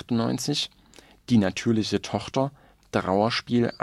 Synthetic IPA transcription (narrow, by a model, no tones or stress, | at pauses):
tʊnɔ̰ʏnt͡sɪç | d̥iːnatʰyːɐlɪçətʰɔχtɐ | d̥ʁa̰ʊɐʃpiːlʔa̰